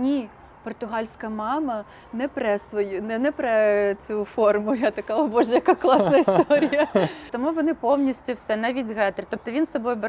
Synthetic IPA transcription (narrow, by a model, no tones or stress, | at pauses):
nʲi | pɔrt̪ʊɦɑlʲsʲkɐmɑmɐ | nɛpɾɛsʋɔjunɛnɛpɾɛt͡sʲufɔrmʊjat̪ɐkɑɔbɔʒɛjɐkɑklˠɑsnɐist̪ɔɾʲijɐt̪ɔmuʋɔnɪpɔwnʲisʲtʲʊwsɛnɛʋʲidʲɦɛt̪ɾt̪ɔp̚t̪ɔʋʲinsɔbɔjʊbe